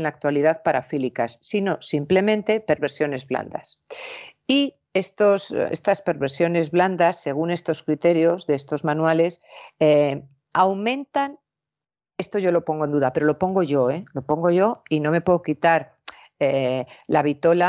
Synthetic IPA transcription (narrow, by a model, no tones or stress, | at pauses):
nlak̚t̪waliðaðpaɾafilikasːino̞simple̞mẽnt̪e̞pe̞ɾβe̞ɾsjo̞ne̞zβla̰nd̪a̰s | i | e̞st̪osḛst̪aspe̞ɾβe̞ɾsjo̞ne̞zβland̪asːe̞ɣ̞une̞st̪o̞skɾit̪e̞ɾjo̞zðeest̪o̞zmãnwale̞se | awmẽ̞nt̪an | e̞st̪o̞ʝo̞lo̞po̞ŋɡond̪uðape̞ɾo̞lo̞po̞ŋɡo̞ʝo̞elo̞po̞ŋɡo̞ʝo̞ino̞me̞pweðokit̪aɾ | elaβ̞it̪o̞la